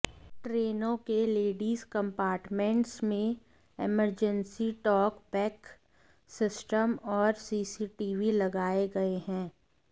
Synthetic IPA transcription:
ʈɾeːnõkeleːɖiːzkɐ̃mpaːɾʈmẽɳʈsmẽ | eməɾd͡ʒə̃nsiʈɔːkbɛːk | sɪsʈəmɔːɾsiːsiʈiːʋilɐɡaːeɡɐeɦɛ̃ː

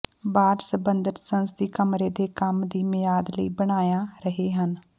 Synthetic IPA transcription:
baːɾsəbənd̪ət̪sənst̪iːkəmɾeːd̪eːkəmd̪iːmɪjaːd̪ləiːbəɽ̃aːjaːɾəɦeːɦən

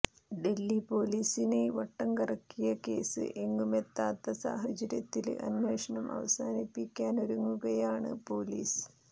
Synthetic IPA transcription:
ɖe̞lːipo̞ːliːsine̞ʋɐʈːɐŋkɐrɐkːijɐke̞ːsɨ̰ʔeŋːume̞t̪ːaːt̪ːɐsa̰ːɦɐt͡ɕɐɾjɐt̪ːilɐ̰nmeːʂɐɳɐmʔɐ̰ʋɐ̰saːnipːikʲːaːnoɾuŋːuɣɐjaːɳɨ̰po̞ːliːs

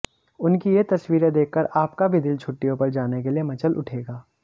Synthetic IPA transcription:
ʊnkijet̪ɐswiːɾed̪eːkʰːəɾaːpkabʱɪd̪ɪlt͡ʃʰʊʈːijõpɐɾd͡ʒaːnekeliemɐt͡ʃəlʔʊ̰ʈʰeːɡaː

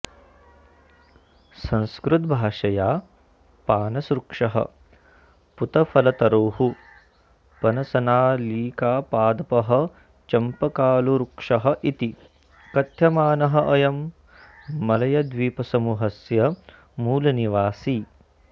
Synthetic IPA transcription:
sɐ̃nskɾut̪̚bʱaːʂɐjaː | paːnɐsɾukʂɐɦɐ̰ | put̪ɐfɐlɐt̪ɐɾoːhu | pɐnɐsɐnaːliːkaːpaːd̪ɐpɐɦɐ̆ | t͡ʃɐmpɐkaːluɾukʂɐɦɐʔit̪i | kɐt̪jɐmaːnɐɦɐʔɐjɐmː | ɐlɐjɐd̪ʋiːpɐsɐmuɦɐsjɐ | muːlɐniʋaːsiː

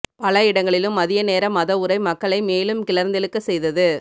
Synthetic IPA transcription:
pɐlɐɪɽɐŋɡɐɭɪlɯmːɐðɪjɐneːɾɐmːɐðɐʊɾɐɪmɐkːɐɭɐɪmeːlɯmkɪlɐɾnd̪ɪlɯkːɯsɛjðɐðɯ

